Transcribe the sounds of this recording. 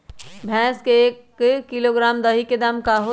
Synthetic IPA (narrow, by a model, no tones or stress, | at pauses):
bʱɛ̃ːskeekː | iloɡɾaːmd̪əɦiked̪amkaɦo